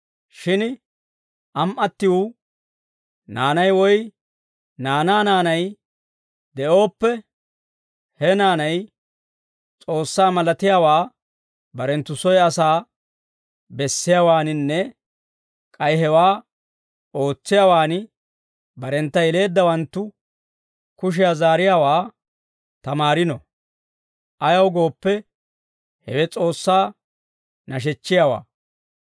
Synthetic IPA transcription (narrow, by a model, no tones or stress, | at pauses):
ʃɪn | ʔɐmʔɐt̪ːɪwʊ | naːnɐjwɔj | naːnaːnaːnɐj | d̪ɛʔo̞ːpːɛ | hɛnaːnɐj | t͡sʼo̞ːsːaːmɐlɐt̪ɪjaːwaː | bɐɾɛnt̪ːʊsɔjɐsaː | bɛsːɪjaːwaːnɪnːɛ | kʼɐjɦɛwaː | o̞ːt͡sːɪjaːwaːn | bɐɾɛnt̪ːɐjɛle̞ːd̪ːɐwɐnt̪ːʊ | kʊʃ̬ɪjaːzaːɾɪjaːwaː | t̪ɐmaːɾɪnɔ | ʔɐjɐwɡo̞ːpːɛ | hɛwɛt͡sʼo̞ːsːaː | nɐʃ̬ɛt͡ʃːɪjaːwa̰ː